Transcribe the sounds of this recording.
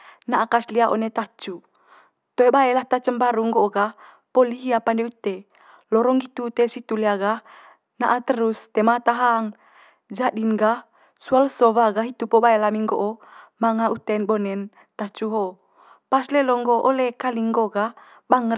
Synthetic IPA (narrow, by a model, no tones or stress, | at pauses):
naʔakasliaʔo̰net̪at͡ʃu | t̪oebaelaht̪at͡ʃəmbaɾuŋɡoʔoɡah | poliɦiapandɛut̪e | lɔɾɔŋɡit̪ut̪esit̪uleaɡah | naʔat̪əɾust̪ɛmat̪aɦaŋ | d͡ʒaɗinɡah | sualsɔβaɡaɦit̪upobaelamiŋɡoʔo | maŋaut̪ɛnbɔnɛn | t̪at͡ʃuɦo | paslelɔŋɡoʔolekaliŋɡoɡah | baŋə